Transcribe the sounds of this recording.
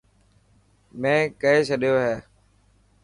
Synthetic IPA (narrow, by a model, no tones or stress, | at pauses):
mẽːkəeːsʰəɗɪjoːɦeː